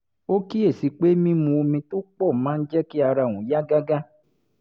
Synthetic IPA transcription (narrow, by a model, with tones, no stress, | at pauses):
o˦ki˦e˦˨si˨k͡pe˦mĩ˦mũ˧o˧mĩ˧to˦k͡pɔ˦˨mãː˨˦n̩˦d͡ʒɛ˦ki˦a˧ɾa˧˨w̃ũ˨ja˦ɡa˦ɡa˦